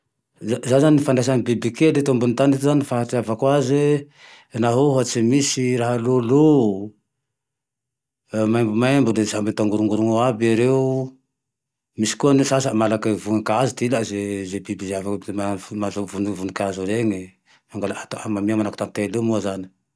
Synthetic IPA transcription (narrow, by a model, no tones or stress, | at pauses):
zazanzaninifand̪as̬anibibliked̪et̪ombunt̪anit̪zanifaɦatiavakwaze | naɦoɦat͡ʃimisiɾaɦalolo | majmbumambud̪ezambet̪aŋɡuɾuŋɡuɾuŋoabaɾeu | misi̥kuanesasamalakavunikazit̪ilazezebibizeavakmamazovunivunikazuɾeŋi | maŋɡalaat̪aamamiamanakut̪ant̪elemuazani̥